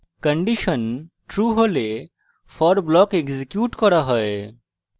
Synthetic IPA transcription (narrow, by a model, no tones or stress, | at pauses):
kɐ̃ɳɖiʃənʈɾuːɦole | fʰɔɾblɔːkekzikjuːʈkɔɾaɦɔe